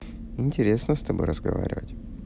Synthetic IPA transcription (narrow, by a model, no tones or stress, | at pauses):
ɪnʲtʲɪɾʲe̞snəst̪ɐbojɾəzɡɐva̰ɾʲɪvə̰tʲ